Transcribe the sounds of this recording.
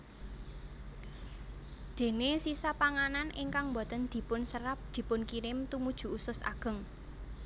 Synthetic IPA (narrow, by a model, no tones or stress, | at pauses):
d̪̥e̤nesisapaŋananʔɪŋkaŋmbɔ̤t̪ənd̪̥i̤pʊnsəɾap̚d̪̥i̤pʊnkiɾɪmt̪umud̥ʒ̥ṳusʊsʔa̰ɡ̥ə̤ŋ